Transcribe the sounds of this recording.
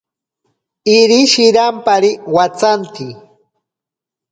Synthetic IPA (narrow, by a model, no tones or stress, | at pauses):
ɪɾiʃɪɾampaɾɪwat͡sant̪i